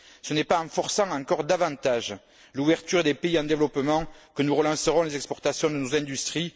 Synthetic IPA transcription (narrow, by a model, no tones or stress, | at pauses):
sənɛpaɑ̃fɔʁsɑ̃ɑ̃kɔʁd̪avɑ̃t̪aʒ | luvɛʁt̪yʁd̪epeiɑ̃d̪evəlɔpəmɑ̃kənuʁəlɑ̃səʁɔ̃lezɛkspɔʁt̪asjɔ̃d̪ənozɛ̃d̪yst̪χi